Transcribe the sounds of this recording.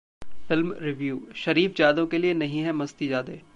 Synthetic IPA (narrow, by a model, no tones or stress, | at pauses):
fɪlmɾɪʋjuːʃɐɾiːfd͡ʒaːd̪õkelienɐɦĩɦɛmɐst̪id͡ʒaːd̪eː